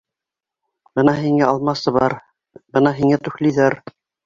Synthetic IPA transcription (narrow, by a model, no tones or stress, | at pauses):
b̥ɤnɑɦiŋæɑlˠmɑsɤβɑɾ | bɤnɑɦiŋæt̪ɵ̆xliðæɾ